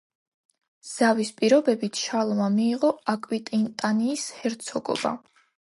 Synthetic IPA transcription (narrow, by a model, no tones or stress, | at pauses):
z̥avispʼiɾɔbɛbit̪ʰʃalˠɔmamiːʁɔakʼwit̪ʼint̪ʼaniːshɛɾt̪sʰɔɡɔ̰ba̰